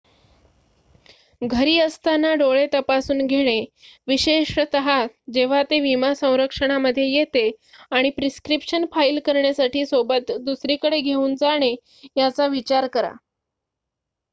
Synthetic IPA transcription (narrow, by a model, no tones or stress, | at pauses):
ɡʱəɾiːəst̪anːaɖoɭet̪əpasuːnɡʱeɽ̃eʋiɕeʂt̪əɦad͡ʑeʋ̤at̪eʋimasə̃w̃ɾəkʂəɽ̃aməd̪ʱːjejet̪eaɽ̃ipɾiskɾipʂənfailkəɾɳjasaʈiːsobət̪d̪usɾikəɽeɡʱeuːnd͡zaɽ̃e | jat͡saʋit͡ɕaɾkəɾa̰